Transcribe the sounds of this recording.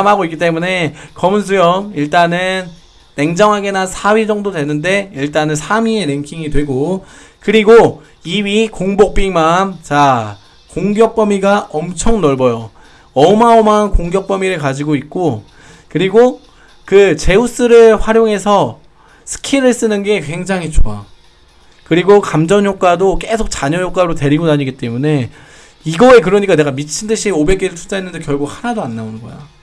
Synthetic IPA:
mɦaɡoik͈it͈e̞mune̞kʌmuns̬ʰujʌmiɭt͈anɯnː | e̞ŋd͡ʑʌŋɦaɡe̞nasʰawɥid͡ʑʌŋdodwe̞nɯnde̞iɭt͈anɯnsʰamie̞ɾeŋkʰiŋidwe̞ɡo | kɯɾiɡo | iwikoŋbok̚p͈iŋmant͡ɕa | koŋɡjʌk̚p͈ʌmiɡaʌmt͡ɕʰʌŋnʌɭbʌjo | ʌmaomankoŋɡjʌk̚p͈ʌmiɾɯɭkad͡ʑiɡoik̚k͈o | kɯɾiɡo | kɯt͡ɕe̞us͈ɯɾɯɭɸwaɾjoŋɦe̞sʰʌ | sʰɯ̥kʰiɾɯɭs͈ɯnɯnɡe̞kwe̞ŋd͡ʑaŋɦit͡ɕoa | kɯɾiɡokamd͡ʑʌnçjok͈wadok͈e̞sʰok̚t͡ɕ͈aɲʌjok͈aɾote̞ɾiɡonaɲiɡit͈e̞mune̞ | iɡʌe̞k̬ɯɾʌɲik͈ane̞ɡamit͡ɕʰindeɕʰieobe̞k̚k͈eɾɯɭtʰu̥d͡ʑaɦenːɯndekjʌɭɡuɡhanadoanːaunnɡʌ̰jo̰

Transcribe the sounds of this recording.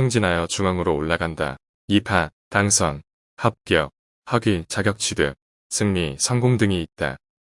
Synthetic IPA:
sʰʌŋd͡ʑinɦajʌt͡ɕuŋaŋɯɾoːɭːaɡanda̰ | ipʰataŋsʰaŋ | hap̚k͈jʌ | hʌɡit͡ɕaɡjʌk̚t͡ɕʰidɯ | sʰɯŋmisʰʌŋɡoŋdɯŋiːt̚t͈a̰

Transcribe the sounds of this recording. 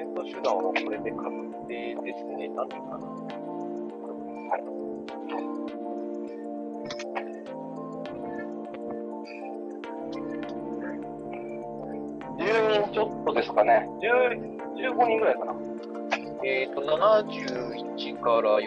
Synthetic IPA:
et̪oɕɨd̪ãɰ̃okɯɾet̪ekʰa | t̪ed̪e̞sɨnenãnt̪eɯka̰na | d͡ʑɨːt͡ɕo̞t̪ːo̞d̪e̞sɨ̥kane̞d͡ʑɨː | d͡ʑɨːɡo̞ɲĩŋɡɯ̟ɾaikana | et̪ːo̞nanad͡ʑɨːit͡ɕikaɾa

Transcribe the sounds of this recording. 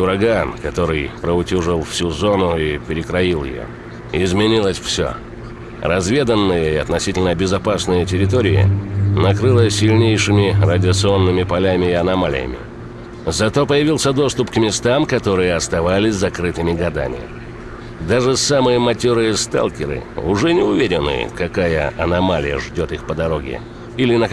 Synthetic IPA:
ʊɾɐɡankɐt̪o̞ɾɨjpɾəʊtʲuʐɨlˠfsʲuzo̞nʊipʲɪɾʲɪkɾɐilˠjɪ̰jo̰ | ɪzmʲɪnʲilˠəsʲfsʲo̰ | rɐzvʲe̞d̪ənːɨjəɪɐ̰t̪nɐsʲitʲɪlʲnəbʲɪzɐpasnɨjətʲɪɾʲɪt̪o̞ɾʲɪɪ̰nɐkɾɨlˠəsʲɪlʲnʲejʂɨmʲɪrədʲɪət̪sɨo̞nːɨmʲɪpɐlʲamʲɪːɐnɐmalʲɪ̰jə̰mʲɪ̰ | zɐt̪o̞pəjɪvʲilˠsʲəd̪o̞st̪ʊpkmʲɪst̪amkɐt̪o̞ɾɨjəɐst̪ɐvalʲɪsʲzɐkɾɨt̪ɨmʲɪɡɐd̪a̰mʲɪ̰ | d̪aʐɨsamɨjəmɐtʲoɾɨjəst̪a̰lˠkʲɪɾɨ̰ʊʐɛnʲɪʊvʲeɾʲɪnːɨ̰ə̰kɐkajə̰ɐnɐmalʲɪ̰jə̰ʐdʲo̞t̪ixpəd̪ɐɾo̞ɡʲɪ̰ | ilʲɪnə

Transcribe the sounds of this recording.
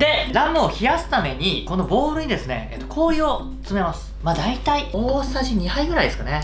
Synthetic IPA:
d̪e̞ɾamɯo̞çiasɨ̥t̪ame̞ɲ̟iko̞no̞bo̞ːɾɯ̟ɲ̟id̪e̞sɨne̞̰ḛt̪ːo̥kʰo̞ːio̞ | t͡sɨme̞masɨ̥mad̪ait̪aioːsaʑiɲ̟ihaiɡɯɾaid̪sɨ̥kane̞

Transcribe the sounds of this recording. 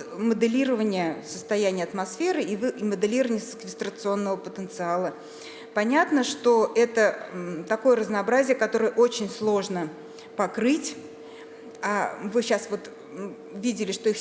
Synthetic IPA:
məd̪ɨlʲiɾəvənʲɪjəsəst̪ɐjænʲɪjəɐt̪mɐsfʲeɾɨivɨməd̪ɨlʲirəvənʲɪəsɨ̥kvʲɪst̪ɾət̪sɨo̞nːəvəpət̪ənt̪sɨalˠə | pɐnʲat̪nəʂt̪o̞ɛt̪ət̪ɐko̞jəɾəznɐɐbɾazʲɪjəkɐt̪o̞ɾəjəʔo̞t͡ɕɪnʲslˠo̞ʐnə | pɐkɾɨtʲ | avɨɕasvo̞t̪ | vʲidʲɪlʲɪʂt̪o̞ix

